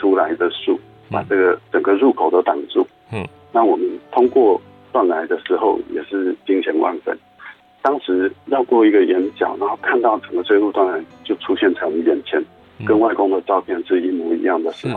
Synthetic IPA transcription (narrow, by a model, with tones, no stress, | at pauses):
tʰu˥la˧˦ɪd̪ə˧ʂu˥˩ | pa̰˨˩ʈ͡ʂɤ˥˩ɡə˩ʈ͡ʂə˨˩ŋɡə˦ɻu˥˩kʰo˨˩ʊd̪ə˦t̪ɑ˨˩ŋʈ͡ʂu˥˩ | na˥˩˨wɔ˨˩mə˦nt̪ʰʊ˥ŋkwɔ˥˩ | t̪wa˥˩nla˧˦ɪd̪ə˨ʂɻ̩˧˥xo˥˨˩ʊjɛ̰˨˩ʂɻ̩˥˧t͡ɕi˥ŋɕjɛ˧˥nwʔa̰˥˧nfə̰˥˩n | t̪ɑ˥ŋʂɻ̩˧˥jɑ˥˧ʊkwɔ˥˩i˧˥ɡə˨jɛ˧˥nt͡ɕjɑ̰˨˩˦ʊna˨˧˦o˥˧˩kʰa˥˧nt̪ɑ˥˩ʊʈ͡ʂə˨˩ŋɡə˦t͡sʰwe˥˧ɪlu˥˧t̪wa˥˩nla˧˥ɪt͡ɕjo˥˩ʊʈ͡ʂʰu˥ɕjɛ˥˩nt͡sʰa˧˥˧jɛ˨˩nt͡ɕʰjɛ˧˦n | kə˦nwa˥˩ɪkʊ˥ŋd̪ə˨t͡sɑ˥˧ʊpʰjɛ˥˧nʂɻ̩˥˧i˥mu˧˥ḭ˧jɑ˥˩ŋd̪ə˩ʂɻ̩˧˥xo˥˨˩